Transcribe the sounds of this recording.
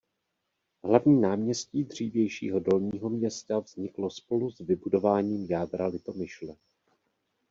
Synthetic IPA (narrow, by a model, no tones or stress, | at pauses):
ɦlavɲiːnaːmɲɛsciːd̪r̥iːvjɛjʃḭːɦo̞do̞lɲiːɦo̞mɲɛst̪avz̥ɲɪklo̞spo̞luzvɪbudo̞vaːɲiːmjaːd̪ɾalɪt̪o̞mɪʃlɛ